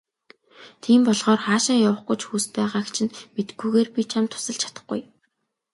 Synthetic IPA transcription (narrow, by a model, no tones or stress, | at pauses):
t̪ʰiːmpɔɮʁɔːrχaːʃaːjawə̆χɡujt͡ɕxuːst̪̚pæːʁaːkt͡ɕʰɪ̆nmet̪ɡujɣeːrpʲit͡ɕʰamt̪ʰːʊ̥sə̆ɬt͡ɕʰḁt̪ə̆χɡṵj